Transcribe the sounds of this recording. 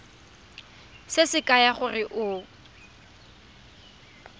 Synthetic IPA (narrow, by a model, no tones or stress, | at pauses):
sɪsɪkʼajaχʊrɪʔʊ